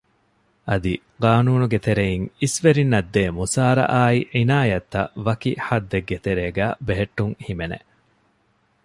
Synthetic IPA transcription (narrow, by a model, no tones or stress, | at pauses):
ʔɐd̪i | ɡaːnuːnuɡet̪eɾejiŋisʋeɾinːɐd̪ːeːmusaːɾɐ̰ʔaːiʕinaːjɐt̪ːɐʋɐkiħɐd̪ːeɡːet̪eɾeːɡæːbeɦeʈːuŋhimenḛ